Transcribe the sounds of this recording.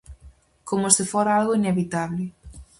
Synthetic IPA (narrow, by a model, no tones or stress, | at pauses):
komosɪfoɾaalɣoineβit̪aβlɪ